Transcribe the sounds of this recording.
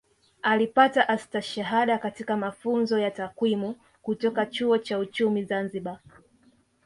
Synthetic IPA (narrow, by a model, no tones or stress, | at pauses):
alipataʔastaʃaɦaɗakatikamafunzɔjatakwimu | kutɔkat͡ʃuɔt͡ʃaut͡ʃumizanziɓa